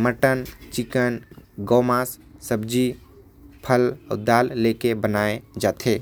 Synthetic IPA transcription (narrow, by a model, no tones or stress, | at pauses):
məʈənt͡ʃɪkənɡoːmaːsː | əbd͡ʒi | pʰəlʊ̰d̪aːlːekebənaːed͡ʒaːt̪ʰeː